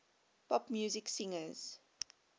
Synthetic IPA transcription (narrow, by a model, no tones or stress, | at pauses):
pʰɔpmjuːzɪksĩŋəz̥